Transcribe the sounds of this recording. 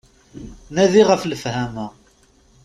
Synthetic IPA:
næðiʁəfləfhæmæ

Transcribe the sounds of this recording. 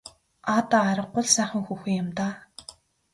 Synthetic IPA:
at̪aːɾə̆q̚ːʊ̆ɮsæːχə̆ŋxuːxiːjʊmt̪aː

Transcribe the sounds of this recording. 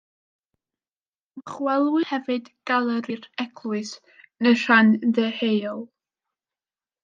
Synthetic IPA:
mχwɛlˠwɨhɛvɨdɡ̥alˠəɾɪrɛkʰlˠʊɨs | nəʃanðəhejɔlˠ

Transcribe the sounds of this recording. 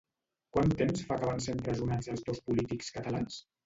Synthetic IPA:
kwant̪emsfakəβansempɾəzunazəlˠzðospulit̪ikskət̪əlans

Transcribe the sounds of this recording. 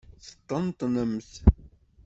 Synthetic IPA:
θə̥t̪ˤːənt̪ˤnəmθ

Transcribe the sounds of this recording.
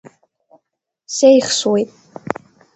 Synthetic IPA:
sejχʃwejtʼ

